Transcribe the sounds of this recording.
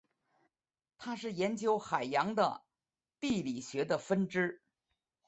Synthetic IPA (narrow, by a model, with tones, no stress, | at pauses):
t̪ʰa˥ʂɻ̩˥˩jɛ˧˥nt͡ɕjo˧˥ʊxa˨˩ɪjɑ˧˥ŋd̪ə̰˧ | t̪i˥˩li˨˩ɕɥɛ˧˥d̪ə˧fə˥nʈ͡ʂɻ̩˥